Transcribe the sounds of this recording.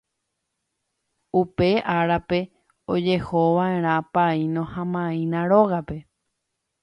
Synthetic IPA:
upe̞ʔaɾape̞ | od͡ʒe̞hoʋaẽ̞ɾ̃ãpainõhãmãĩnãɾoɣape̞

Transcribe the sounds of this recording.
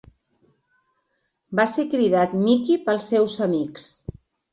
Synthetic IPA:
basekɾiðat̪mikipəlˠsːɛwzəmiks

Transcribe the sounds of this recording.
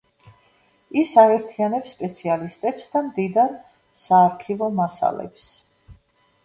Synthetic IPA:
isaɛɾt̪ʰianɛpsːpʼɛt̪sʰialist̪ʼɛpsd̪amd̪id̪aɾ | saːɾkʰivɔmasa̰lɛ̰ps

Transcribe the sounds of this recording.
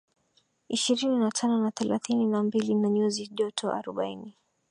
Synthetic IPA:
iʃiɾininatʰanɔnaθɛlaθininambilinaɲuziʄɔtʰɔʔa̰ɾɔɓaini

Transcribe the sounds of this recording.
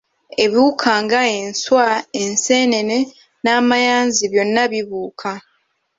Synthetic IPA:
e̞βuukʰaːŋɡae̞nswaenseːne̞ne̞ | naːmajaːnziβjo̞nːaβiβuːkʰa

